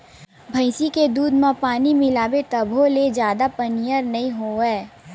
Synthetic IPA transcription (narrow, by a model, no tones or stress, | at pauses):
bʱɐɪsiked̪uːd̪mãpaːnimɪlaːbet̪ɐbʱoled͡ʒjaːd̪apɐnijəɾnɐɦĩɦoːɛː